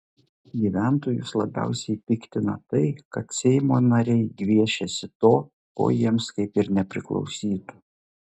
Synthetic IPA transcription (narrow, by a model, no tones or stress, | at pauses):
ɡʲiːʋʲæˑnt̪oːjʊslˠɐbʲæ̰ˑʊsʲɛɪpʲɪkt̪ʲɪnɐ̰t̪ɐɪkɐt̪sʲɛɪmoːnɐɾʲɛɪɡʋʲiɛʃʲɛsʲɪt̪oː | ko̰ːjiɛmskɐɪpɪɾnʲɛpʲɾʲɪ̰klˠɒ̰ʊsʲiːt̪u̥